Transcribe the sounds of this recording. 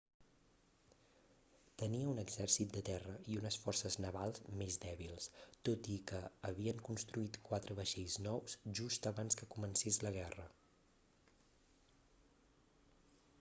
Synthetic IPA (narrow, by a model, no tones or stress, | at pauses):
t̪əniəunəɡzɛrsit̪̚d̪ət̪ɛrəiunəsfɔrsəznəβalˠzmezd̪ɛβilˠst̪ot̪ikəːβiəŋkunst̪ɾuit̪kwat̪ɾəβəʃeʎznɔwzʒust̪əβanskəkumənsezləɣ̞ɛrə